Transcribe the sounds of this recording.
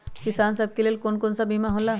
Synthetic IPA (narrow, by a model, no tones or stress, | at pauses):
kisaːnsɐb̚keleːlkonkonsabʱimaɦola